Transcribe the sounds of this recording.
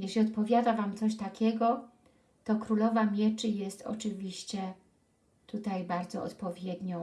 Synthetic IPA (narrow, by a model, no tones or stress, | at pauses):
jɛɕlʲiɔt̪pɔvʲjad̪avamt̪sɔɕt̪akʲɛɡɔ | t̪ɔkɾulɔvamʲjɛt͡ʂɘjɛst̪ɔ̰t͡ʂɘvʲiɕt͡ɕɛ | t̪ut̪ajbaɾd̪zɔ̰ɔ̰t̪pɔvʲjɛd̪ɲɔ̃